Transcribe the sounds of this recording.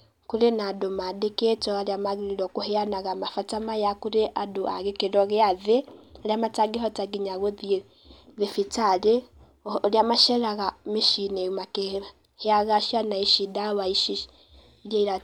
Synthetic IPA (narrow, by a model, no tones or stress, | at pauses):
kuɾenadumadeketoaɾiamaɣiɾiɾokuheanaɣamafatamajakuɾeʔaduʔa̰ɣekeɾoɣeaðealjamataɡiɦotaɡiɲaɣoði | ðefit͡sale | ɾiamaʃeɾaɣamiʃinemake | heaɣaʃjanaiʃidaβaiʃiʃ | ɾjaiɾa